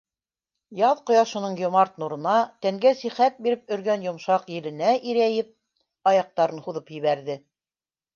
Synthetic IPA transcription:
jɑðqŏjɑʃɤ̆nɤɴjŏmɑɾt̪nuɾɤ̆nɑt̪æŋɡæsiχæt̪̚biɾɘp̚ɵ̆ɾɡænjŏmʃɑqjɘ̆lɘ̆næʔiɾæjɘp̚ | ɑjɑq̚t̪ɑɾɤnhuðɤpjɘ̆βæɾðɘ

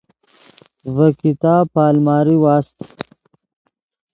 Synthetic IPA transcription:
vɐkit̪aːpaːlmaːɾiwaːst̪

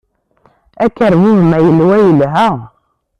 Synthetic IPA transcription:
ækæɾmihmæjilwæjilɦa

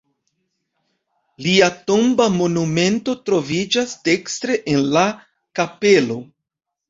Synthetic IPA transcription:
liato̞mbamo̞nume̞nto̞tɾo̞vid͡ʒasde̞kstɾe̞ʔenla | kape̞lo̞

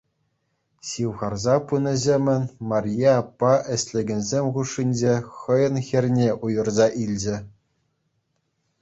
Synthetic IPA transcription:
ɕiwʁɑrzɑpɯnɤ̆zʲemʲɘ̆nʲmɑrʲjɑːpːɑʔɘ̆ɕʲlʲɘ̆ɡʲɘ̆nʲzʲemʲχuʂːinʲd͡ʑeχɤ̆jɤ̆nxʲɘ̆rʲnʲeʔujɤ̆rzɑʔilʲd͡ʑɘ̆

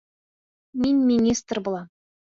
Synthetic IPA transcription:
mʲinʲmʲinʲist̪rbŭlˠɑ

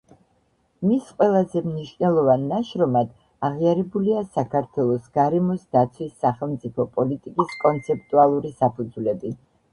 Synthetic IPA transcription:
misqʼwɛlˠazɛmniʃnɛlˠɔvanːaʃɾɔmad̪̥ | aʁiaɾɛbuliasakʰaɾt̪ʰwɛlˠɔsɡ̥aɾɛmɔsd̪̥at̪sʰwisːaχɛlˠmt̪sʼipʰɔpʼɔlit̪ʼikʼiskʼɔnt̪sʰɛp̚ʰt̪ʼualˠuɾisapʰud̪zulɛbi

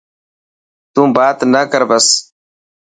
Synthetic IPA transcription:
t̪ũːbaːt̪nəkəɾbɐs

